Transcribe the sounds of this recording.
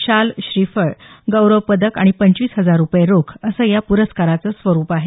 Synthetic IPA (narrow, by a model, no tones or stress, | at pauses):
ɕalɕɾifəɭɡəwɾəʋpəd̪əka̰ɽ̃ipəɲt͡ɕiːsɦəd͡zaɾːupjeɾokʰəsəːjapuɾəskaɾat͡səsʋəɾuːpaɦe